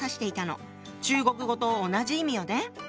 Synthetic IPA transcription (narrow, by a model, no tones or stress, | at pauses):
saɕi̥t̪e̞it̪ano̞̰ | t͡ɕɨːɡo̞kɯ̟ɡo̞t̪o̞ːnaʑiimʲijo̞d̪e